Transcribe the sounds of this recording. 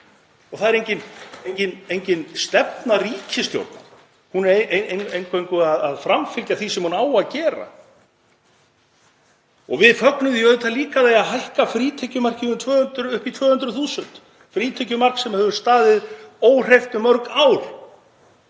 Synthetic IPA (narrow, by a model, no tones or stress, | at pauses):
ɔɣθaðɛɾejɲcɪnejɲcɪnejɲcɪnst̪ɛpnariːcʰɪst̪jo̰wɾt̪na̰ | hunɛeʔeenejŋkʰejŋkʏaðaðfɾamfɪlcaθisɛmhunaːwaðcɛːɾa̰ | ɔɣvɪðfœknʏðiœːðʏt̪ʰaliːkaðejaðɦajhkafɾiːt̪ʰɛcʏmar̥cɪʏmt̪ʰvœːhʏnt̪ɾʏʏhpit̪ʰvœːhʏnt̪ɾʏθuːsʏnt̪ | fɾiːt̪ʰɛcʏmar̥ksɛmahɛvʏɾst̪aːðɪðoːwr̥ejft̪ʏmœɾkawɾ̥